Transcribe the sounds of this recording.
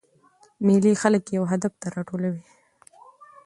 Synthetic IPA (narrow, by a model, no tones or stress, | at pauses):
milixaləkjawɦad̪aft̪aɾɑʈolawi